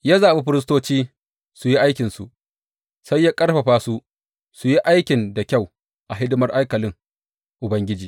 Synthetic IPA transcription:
ja˦zaː˨be˦ɸɪ˦ɾɪ˦s̬toː˦t͡ʃiː˦ | su˨ji˦ʔa˦jkʲɪ˨nsṵ˨ʔ | sa˦jːaː˦kʼɐ˦ɽɸɐ˨ɸaː˦su˦ | su˨ji˦ʔa˦jkʲɪ˨nda˨kʲa˦˨w | ʔa˨ɦɪ˦dɪ˦mɐ˦rʔa˦jkɐ˨lɪ˦ŋ | ʔʊ˨bɐ˦ŋɡʲɪ˦d͡ʒiː˨

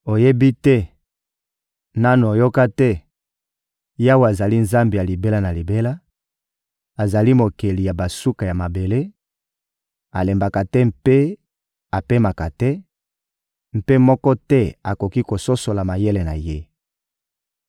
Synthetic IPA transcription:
o˨je˦bi˦tɛ˦ | na˦n˨o˨jo˦ka˦tɛ˦ | ja˦wa˨za˨li˦nza˦mbi˨ja˨li˨be˦la˦na˨li˨be˦la˦ | a˨za˨li˦mo˨ke˨li˨ja˨ba˨su˦ka˨ja˨ma˨be˨le˦ | a˨le˨mba˨ka˨tɛ˦mpe˦ | a˨pe˦ma˨ka˨tɛ˦ | m̩˦pe˦mɔ˦kɔ˦tɛ˦a˨ko˨ki˦ko˨so˦so˨la˨ma˨je˦le˨na˨je˦

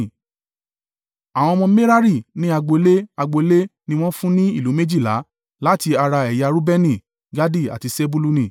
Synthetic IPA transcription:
a˨w̃ɔ̃˧mɔ̃˧me˦ɾa˦ɾi˦˨nĩ˦a˧ɡ͡bo˧le˦a˧ɡ͡bo˧˦le˦nĩ˧w̃ɔ̃˦fũ˦nĩ˦i˦˨lu˨˦me˦d͡ʒi˦˨la̰˨˦ | la˦ti˧a˧ɾa˧ɛ˨ja˧ɾu˦bɛ˦nĩ˦˨ | ɡa˦di˦˨a̰˨ti˧se˦bu˦lu˧nĩ˦˨

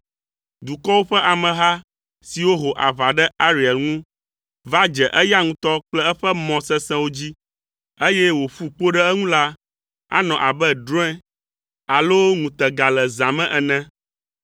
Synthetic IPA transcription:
d̪u˨kɔ˦wo˦ɸɛ˦ʔa˨mɛ̃˨ɦa˦ | si˨wo˦ɦo˨ʔa˨va˨ɖɛ˦a˦ɾi˨ɛ˨lŋũ˦ | va˦d͡ʒɛ˨ʔɛ˦ja˦ŋũ˦t̪ɔ˦k͡plɛ˦ɛ˦ɸɛ˦mɔ̃˨sɛ˦sɛ̃˦wo˦d͡ʑi˦ | e˦jɛ˦wo˨fu˦k͡po˦ɖɛ˦ɛ˦ŋũ˦la˦ | a̰˦nɔ̃˨ʔa˨bɛ˦ɖɾɔ̃˦ɛ̃˦ | a˨lo˦ŋũ˨t̪ɛ˨ɡa˨lɛ˨zã˨mɛ̃˦ʔɛ˨nɛ̃˦

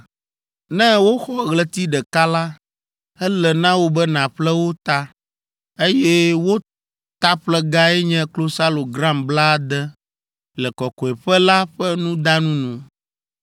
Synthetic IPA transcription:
nɛ̃˦wo˦xɔ˦ɣlɛ˨t̪i˦ɖɛ˨ka˦la˦ | ɛ˦lɛ˨nã˦wo˦bɛ˦nã˨ɸlɛ˦wo˦t̪a˦ | e˦jɛ˦wo˦ | t̪a˦ɸlɛ˦ɡa˦ɛ˦ɲɛ̃˦klo˦sa˦lo˨ɡɾa˦mbla˦d̪ɛ˦ | lɛ˨kɔ˨kɔ˨ɛ˨ɸɛ˦la˦ɸɛ˦nũ˦d̪a˦nũ˦nũ˨

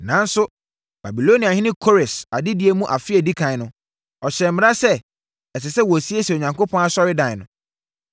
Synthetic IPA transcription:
nã˨˦n̩˦sʊ˦ | b̥a˨bi˨lo˦ni˨a˨hɪ̃˦nɪ̃˦kʰo˦ɾɛ˨sa˨dɪ˦dɪ˨˦e˨mũ˦ʔa˨fɪ˦ɛ˨di˦kʰã˨ɪ˦nʊ̃˨ | ɔ˨ɕɛ˨m̩mɪ̃˨˦a˦sɛ˦ | ɛ˨sɪ˨sɛ˦wɔ˨si˦e˦sɛ˨o˨ɲã˨ŋko˦pʰɔ̃˦na˦˨sɔ˦ɾɪ˦dã˨ɪ˨nʊ̃˨

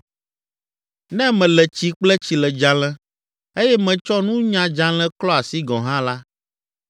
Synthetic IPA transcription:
nɛ̃˦mɛ̃˨lɛ˨t͡ɕi˦k͡plɛ˦t͡ɕi˨lɛ˨d͡ʒã˨lɛ̃˦ | e˦jɛ˦mɛ̃˨t͡ʃɔ˦nũ˦ɲã˨d͡ʒã˦l̃ɛ̃˦klɔ˦a˨si˦ɡɔ̃˨ɦã˦la˦

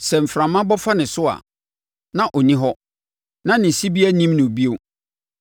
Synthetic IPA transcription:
sɛ˨m̩˨fɾã˨mã˦bɔ˦fa˦nɪ̃˨sʊ˦a̰˨ | nã˨ʔɔ˨nĩ˦ɦɔ˦ | nã˦nɪ̃˨si˦bi˦æ˦nĩ˦mnʊ̃˨bi˦o˨

